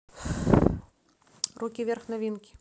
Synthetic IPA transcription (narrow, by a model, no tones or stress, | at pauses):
rukʲivʲerxnɐvʲinkʲi̥